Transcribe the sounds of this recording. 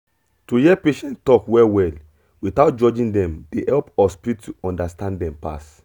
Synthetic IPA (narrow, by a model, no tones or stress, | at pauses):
tuhɛpeʃɛ̃nttɔkwɛwɛl | witaʊt̚d͡ʒɔd͡ʒĩndɛ̃mdehɛlpɔspiɹittuɔ̃ndastãndɛ̃mpa̰s